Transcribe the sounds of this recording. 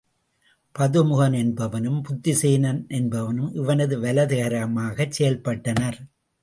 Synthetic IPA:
pɐðɯmʊɣɐnɛnbɐʋɐnɯmpʊt̪ːɪseːnɐnʔɛnbɐʋɐnɯmʔɪʋɐnɐðɯʋɐlɐðɪɣɐɾɐmaːɣɐt͡ʃsɛjɐlpɐʈːɐnɐɾ

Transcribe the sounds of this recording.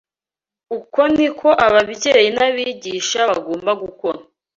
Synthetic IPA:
uko̞nikʰo̞ʔaβabɟe̞ːjinaβiːɟiːʃaβaɡoːmbaɡuko̞na

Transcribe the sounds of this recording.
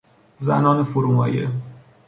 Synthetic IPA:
zæ̰nɒːnefoɾuːmɒːjḛ

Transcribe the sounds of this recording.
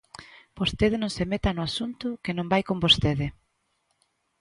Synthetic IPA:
b̥ost̪eðɪnõŋsemet̪anʊasunt̪ʊkenõmbajkõmbost̪eðɪ

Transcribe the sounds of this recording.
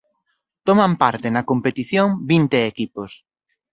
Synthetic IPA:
t̪omãmpaɾt̪ɪnɐkompet̪iθjoŋbint̪eːkipos

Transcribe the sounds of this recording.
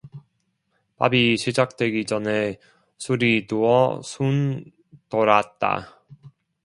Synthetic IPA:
pa̰biɕʰid͡ʑak̚t͈we̞ɡid͡ʑʌne | sʰuɾituʌ̰sʰun | toɾat̚t͈a̰

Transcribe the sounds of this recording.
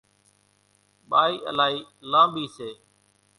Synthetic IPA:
ɓaːiːʔə̰laːɦiːlãːbiːseː

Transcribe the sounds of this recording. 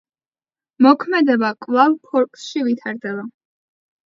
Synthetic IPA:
mɔkʰmɛd̪ɛbakʼlˠavpʰɔɾkʼsʃivit̪ʰaɾd̪ɛba

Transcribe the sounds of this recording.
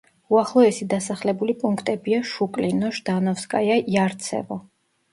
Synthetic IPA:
uaχlˠɔɛsid̪asaχlɛbulipʼuŋkʰt̪ʼɛbiaʃukʼlinɔʃd̪̥anɔfskʼa̰jaiaɾt̪sʰɛ̰vɔ

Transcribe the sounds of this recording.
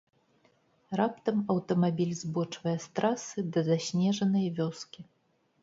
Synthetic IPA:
rapt̪ɐmɐwt̪ɐmabʲilʲzbɔt͡ʂvɐjɛst̪ɾasɨd̪ɐzasʲnʲɛʐɐnɐjvʲɔskʲi

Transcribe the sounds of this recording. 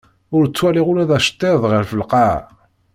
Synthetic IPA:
ʊɾt͡sːwæliʁʊɾæðæʃə̥t̪ːɪðˤʁəɾfəlqɑ

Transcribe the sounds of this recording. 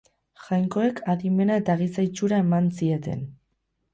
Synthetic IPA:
xajŋko̞e̞kʰaðime̞nae̞t̪aɣ̞isajt͡ʃuɾae̞mansie̞t̪e̞̰n

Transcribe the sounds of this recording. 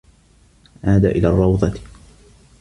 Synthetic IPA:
ʔaːd̪a̰ːʔɪlaːrˤːɑwd̪ˤɑt̪

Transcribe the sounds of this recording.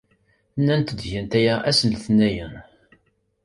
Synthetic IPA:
nːænt̪əd̪ʝænt̪æjæʔæsənθnæjən

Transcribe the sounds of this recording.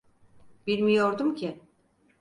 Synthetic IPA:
biɾmijoɾd̪umcʰi

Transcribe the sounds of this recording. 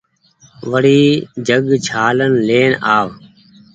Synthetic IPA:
ʋəɽiːd͡ʒʱəɡt͡ʃʰaːlənleːnaːʋ

